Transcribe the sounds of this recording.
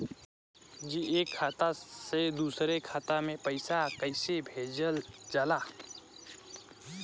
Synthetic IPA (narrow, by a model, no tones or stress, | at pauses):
d͡ʒiʔekʰːat̪ased̪usɾekʰaːt̪amẽpəjsakəjsebʱed͡ʒəld͡ʒala